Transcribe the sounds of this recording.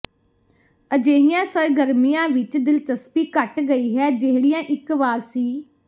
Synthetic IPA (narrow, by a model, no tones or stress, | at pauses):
əd͡ʒeːɦijãːsəɾɡəɾmijãːʋɪt͡ʃd̪ɪlt̪əspiːkəʈɡəiːɦɛːd͡ʒeɦɽijãːʔɪkʋaːɾsiː